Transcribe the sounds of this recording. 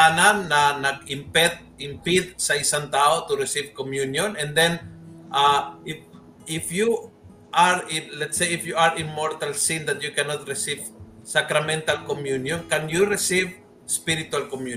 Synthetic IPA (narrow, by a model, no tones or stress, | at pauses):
ananːɐnɐɡ̚ɪmpɛt̪̚ɪmpid̪̚sɐɪsaŋt̪aːʔot̪uɾɪsivkomjunjõnɛ̃nd̪ɛnʔaɪf | ɪfju | ʔaɹɪnlɛt̪sejɪfjuaɹɪ̃nmɔɹt̪ɐlsĩnd̪ɐt̪̚jukɛnɔt̪̚ɾɪsivsakɾamɛ̃nt̪alkomjunjɔnkɐnjuɾɪsiv | spiɾɪt̪ualkomju